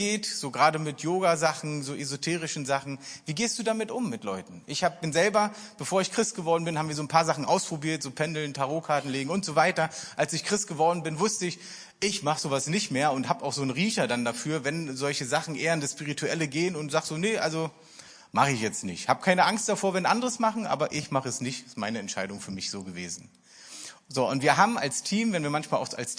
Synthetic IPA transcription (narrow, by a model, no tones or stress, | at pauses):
eːtz̥oːɡʁaːdəmɪtjoːɡazaχn̩zoːʔezotʰeːʁ̞ɪʃn̩zaχn̩viːɡeːstd̥uːdamɪtʔʊmːɪtlɔʏtn̩ʔɪçhaːbəbɪnzɛlbɐb̥əfoːɐɪçkʁ̥ɪstɡ̥əvɔɐdn̩bɪnhaːmviːɐzoːnpʰaːɐzaχn̩ʔaʊspʁ̥obiːɐtz̥oːpʰɛndl̩ntʰaʁoːkʰaɐtn̩leːɡŋ̩ʊntz̥oːvaɪtɐʔalsɪçkʁ̥ɪstɡ̥əvɔɐdn̩bɪnvʊstəɪç | ʔɪçmaχəz̥oːvasnɪçtmeːɐʊnthɦaːbaʊxz̥oːnʁiːçɐdandafyːɐvɛnzɔlçəzaχn̩ʔeːɐɪndasʃpiʁitʰuʔɛləɡeːənʊntzaːχz̥oːnəʔalzo | maχəɪçjɛt͡stnɪ̰çthaːbə̥kʰaɪnəʔaŋst̚d̥afoːɐvɛnʔandəʁəsmaχn̩ʔa̰ːbɐʔɪçmaχəɛsnɪçtɪ̥smaɪnəɛntʃa̰ɪdʊŋfyːɐmɪçz̥oːɡəvḛːzn̩ | zoːʊntv̥iːɐɦaːbm̩alstʰiːmvɛnviːɐmançmaːlaʊxa̰ls